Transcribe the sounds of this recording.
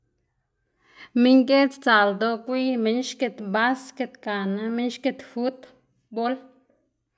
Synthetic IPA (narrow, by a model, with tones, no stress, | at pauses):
mi˦ŋɡe˦t͡st͡sa˨ld̪o˧kʷi˦me˧ɲʃke˧t̪ba˦ske˧t̪ka˨na˧me˦nʃke˧t̪fu˦t̪ | bo˦l